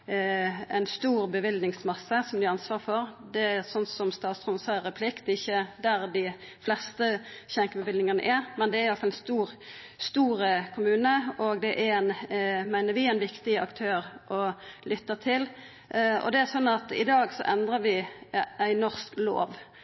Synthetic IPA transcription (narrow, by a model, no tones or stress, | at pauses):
æɪnst̪uːʁbəʋɪld̪nɪŋsmɑsːəsɔmd̪ɪɑnsʋɑːʁfɔɾd̪ɛæsɔnːsɔmst̪ɑːt̪sʁɔnsɑʁɛpʰlɪkt̪ɛɪçːəd̪æɾd̪ɪ | flɛst̪əçɛŋkəbəʋɪlnɪŋɑnə̰ʔæɾmɛnd̪ɛæɾjɑlt̪fɑlɛnst̪uːɾ | st̪uːɾəkʰʊmʉːnəɔɡd̪ɛʔæænmæɪnəɾʋɪæɪnʋɪkt̪ɪɑ̰kt̪ʰøːɾʔɔlʏt̪ːət̪ʰɪl | ɔ̰d̪ɛæsɔnːɑt̪ɪ̰d̪ɑːɡsɔ̰ʔɛnd̪ʁəʋɪæɪnɔʁsklo̰ːʋ